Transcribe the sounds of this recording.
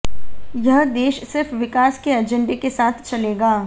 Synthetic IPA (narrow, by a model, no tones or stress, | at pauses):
jɐɦd̪eːʃsɪɾfʋɪkaːskeɐd͡ʒə̃ɳɖekesaːt̪ʰt͡ʃɐleːɡaː